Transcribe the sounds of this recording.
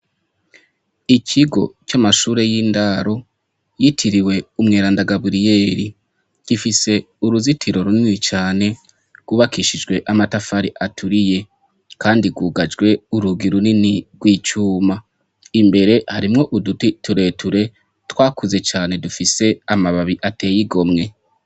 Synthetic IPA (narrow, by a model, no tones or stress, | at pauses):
icʰiɡo̞̰t͡ʃamaʃuːɾe̞jiːndaɾo̞ | jitʰiɾiwe̞umŋe̞ːɾaːndaɡaβuɾije̞ːɾi | ɡ̥ifise̞ | uɾuzitʰiɾo̞ɾuninit͡ʃaːne̞ | ɡ̥wuβakiʃid͡ʒɡwe̞ʔamatafaɾiʔatʰuɾije̞ | kaːndiɡwuːɡad͡ʒɡwe̞uɾuɡiɾuniniɡwiːt͡ʃuːma | imbe̞ɾe̞haɾimŋo̞ʔudutituɾe̞ːtʰuɾe̞ | twaːkuze̞t͡ʃaːne̞dufise̞amaβaβiʔate̞ːjiɡo̞mŋe̞